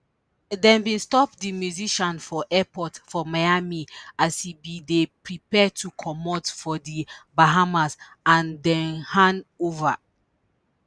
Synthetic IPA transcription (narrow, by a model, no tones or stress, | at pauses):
dɛ̃nbĩnstɔpdimjuziʃɔ̃nfɔʔɛpɔtfɔmajamiasibidepɹipɛtʰukʰɔmɔtfɔdibaɦamas | ãndɛ̃nhãnova